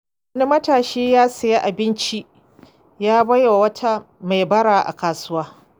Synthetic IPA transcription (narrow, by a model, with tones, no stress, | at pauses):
wɐ˦ni˦mɐ˦taː˨ʃeː˦jaː˦sɐ˨ja˦ʔa˨bɪ˦nt͡ʃi˦ | jaː˦bɐ˦ja˨wɐ˦tʰa˦ | ma˨jbɐ˦ɽaː˨ʔa̰˨kaː˨sʊ˦waː˦